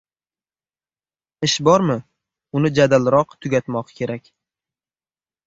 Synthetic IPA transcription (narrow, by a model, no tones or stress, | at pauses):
ɪʃbɒɾmɪ | ʊnɪd͡ʒad̪alɾɒqt̪ʰʊɡʲat̪mɒqkʲʰe̞ɾakʲ